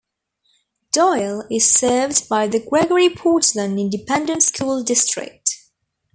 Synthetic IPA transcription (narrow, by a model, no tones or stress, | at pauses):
d̥ɔɪlˠɪz̥sɜːvdbaɪðəɡɹɛɡəɹipʰɔˑtsmə̃nɪ̃ndɨpʰɛ̃ndə̃ntskʰuːlˠdɪstɹ̥ɪ̰k̚t